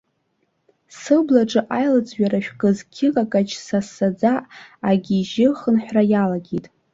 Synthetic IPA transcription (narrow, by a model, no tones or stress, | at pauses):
sɨblaʈ͡ʂʼɨʔajlɨd͡zʼɥᶣaraʃᶣkʼɨzkʲʰɪqʼakʼat͡ʃʰsasad͡zaʔaɡʲiʒɪχənħʷᶣrajalaɡʲitʼ